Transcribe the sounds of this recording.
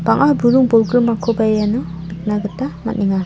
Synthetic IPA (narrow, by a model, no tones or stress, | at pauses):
b̥aŋʔabuɾuŋbɔlɡɾɯmːakʰobajanɯ | ɯk̚naɡɯtːama̰tniŋa